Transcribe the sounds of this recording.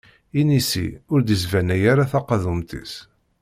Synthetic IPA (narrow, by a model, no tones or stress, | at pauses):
inisḭʊɾd̪izvænæjaɾaθɑqɑðumt̪ḭs